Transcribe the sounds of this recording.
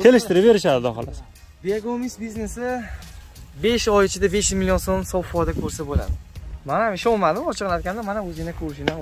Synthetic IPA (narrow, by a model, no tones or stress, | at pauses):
t̪ʰelɪʃt̪ɪɾɪpveɾɪʃad̪ɪd̪ɒχɪ̰la | biaɡomisbizne̞sɪ | be̞ʃɒjɪt͡ʃʰɪd̪abe̞ʃjʊzmilijonsomsɒwfɒjd̪akʲʰɵɾsabola̰d̪ɪmanamɪʃɒlmad̪ɪmɒt͡ʃʰɨqlat̪̚kʲʰand̪amanaɵzɪɪnakʰɵɾɪʃɪna